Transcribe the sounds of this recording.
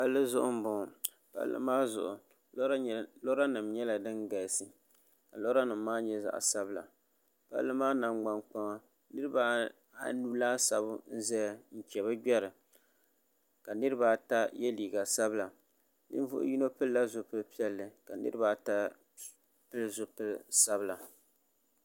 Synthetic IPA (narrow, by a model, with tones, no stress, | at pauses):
pa˦lːɨ˦zʊ˦ʔʊ̰˦m̩˦˨bʊ˨ | pa̰˦lːɨ̰˦maː˦zʊ̰˨ʔʊ˨˦ | lo˦ɾa˦nɨ˨mɲɛ˦la˨dɨ˦nɡa˨sɨ˨ | ka˨lo˦ɾa˦nɨ˨m̩ː˦aː˦ɲɛ˦za̰˨ʔsa˦bla̰˨ | pa̰˦lːɨ˦maː˦na˨ŋ͡mɡ͡ba˨ŋk͡pa˦ŋa˦ | nɨ˦ɾɨ˦ba˦ | nu˦laː˦sa˨bʊ˦n̩˦zɛ˦jn̩˨t͡ʃɛ˨βa˦ɡ͡bɛ˦ɾɨ˨ | ka˨nɨ˦ɾɨ˦ba˦ta˦jɛ˦liː˨ɡa˨sa˦bɨ˦la˨ | nɨ̰˦n˦vʊ̰˦ʔʊ̰˦ji˦no˦pɨ˦lla˦zo˨pɨ˦lpi˦ɛ˦lːɨ˨ka˨nɨ̰˦ɾɨ˦baː˦ta˦ | pɨ˦lzo˨pɨ˦lsa˦bla˨